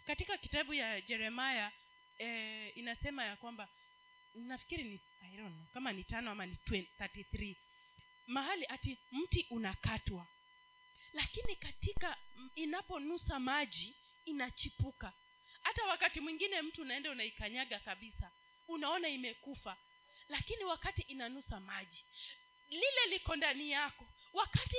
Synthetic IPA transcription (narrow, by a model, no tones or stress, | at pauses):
katikaki̥taɓujad͡ʒɛɾɛmaja | ɛinasɛmajakwamba | nnafi̥kiɾini | aiɾɔnkamanitanɔamanitwɛnθatiθɾi | maɦaliʔatim̩tiʔunakatwa | lakinikatikainapɔnusamaʄiː | nat͡ʃipuka | hatawakatimwiŋɡinɛm̩tiːnaɛndaunaikaɲaɠakaɓisa | unaɔnaimɛkufa | lakiniwakatiʔinanusamaʄi | lilɛlikɔndanijakɔ | wakati